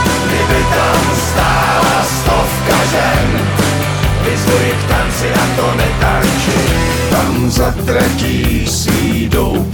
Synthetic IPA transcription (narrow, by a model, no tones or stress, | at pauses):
ɡdɪbɪt̪amst̪aː | last̪ofkaʒɛn | vɪzlɛɾɪkt̪ant͡sɪʔat̪onɛt̪ant͡ʃɪ | t̪am | zat̪ɾad͡ʒiːsiː | dow